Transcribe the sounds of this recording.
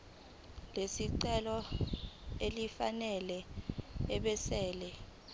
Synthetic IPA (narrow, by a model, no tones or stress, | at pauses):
lesiǀɛlɔ | elifanɛlɛ | ɛɓɛsɛːlɛ